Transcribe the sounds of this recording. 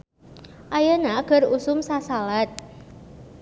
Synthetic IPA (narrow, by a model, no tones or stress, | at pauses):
ʔajənaɡ̥ə̤rusʊmsasalat̪̚